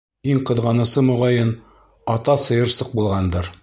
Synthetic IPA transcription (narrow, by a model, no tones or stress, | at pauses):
iŋqɤ̆ðʁɑnɤ̆sɤmŭʁɑjɤn | ɒt̪ɑsɤ̆jɤ̆ɾsɤq̚bulˠʁɑnd̪ɤɾ